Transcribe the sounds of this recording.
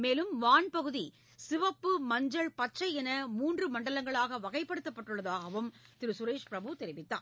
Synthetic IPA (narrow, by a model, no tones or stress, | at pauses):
meːlɯmʋaːnpɐɣɯði | sɪʋɐpːɯmɐɲd͡ʒɐɭpɐʈʂɐɪɛnɐmuːndrɯmɐɳɖɐlɐŋɡɐɭaːɣɐʋɐɣɐɪpːɐɽɯt̪ːɐpːɐʈːɯɭːɐðaːɣɐʋɯmt̪ɪɾɯsʊɾeːʂpɪɾɐbɯt̪ɛɾɪʋɪt̪ːa̰ː